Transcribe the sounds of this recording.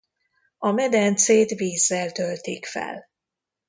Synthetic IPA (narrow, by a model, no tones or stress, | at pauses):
ɒmɛd̪ɛnt̪seːt̪viːzːɛlt̪ølt̪eːkfɛ̰l